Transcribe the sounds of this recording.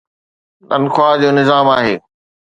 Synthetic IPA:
nɐ̰nxwaːd͡ʑoːnɪzaːmaːɦḛː

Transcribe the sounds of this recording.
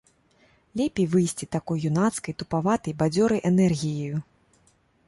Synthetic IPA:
lʲɛpʲejvɨjsʲt͡sʲit̪akɔjjunat̪skɐjt̪upavat̪ɐjbad͡zʲɔɾɐjʔɛnɛrɣʲijɐju

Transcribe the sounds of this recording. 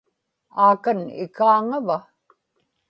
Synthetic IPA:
aːkanɪ̰kaːŋava

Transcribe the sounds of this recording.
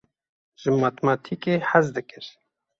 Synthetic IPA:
ʒ̥ɨmɑːt̪mɑt̪ʰikeːħazd̪ɨkɨɾ

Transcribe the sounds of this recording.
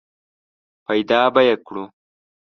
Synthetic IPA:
pɐjd̪ɑːbɐjekɽu

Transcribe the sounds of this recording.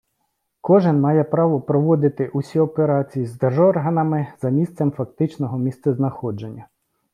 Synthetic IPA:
kɔʒɪnmɑjɛpɾɑʋɔpɾɔʋɔd̪ɪt̪ɪʔusʲiɔpeɾɑt͡sʲijizd̪erʒɔrɦɐnɐmɪz̥ɐmʲist̪sɛmfɐkt̪ɪt͡ʃnɔɦɔmʲist̪sɛznɐxɔd͡ʒe̞nʲːɐ

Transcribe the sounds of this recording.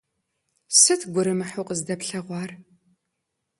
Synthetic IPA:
sɨtʰɡʷʊɾɨmɨħuqəzdɐpɬɐʁʷɑːr

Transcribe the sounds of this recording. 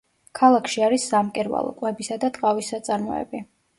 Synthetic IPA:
kʰalˠakʰʃiaɾisːamkʼɛɾva̰lˠɔ̰kʼwɛbisad̪at̪ʼqʼavisːat̪sʼaɾmɔ̰ɛ̰bi

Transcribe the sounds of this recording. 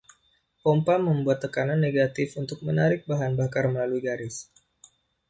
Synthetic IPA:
pɔmpaməmbuat̪ːəkananːeɡat̪ɪfunt̪ʊk̚mənaɾɪk̚baɦanbakarməlaluiɡaɾɪs

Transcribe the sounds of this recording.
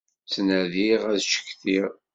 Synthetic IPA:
t͡sːnæðiʁæðʃə̥kːθiʁ

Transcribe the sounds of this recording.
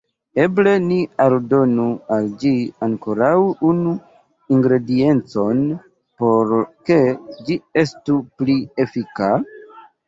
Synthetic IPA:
e̞ble̞nialdo̞nuald͡ʒiaŋko̞ɾawunu | iŋɡɾe̞die̞nt͡so̞n | po̞ɾke̞d͡ʒie̞stuplie̞fika

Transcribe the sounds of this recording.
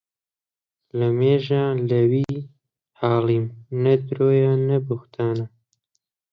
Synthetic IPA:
ləmeːʒaːləwiː | haːliːmnɐd̪ɾoːjɑːnɐbʊxt̪ʰaːna

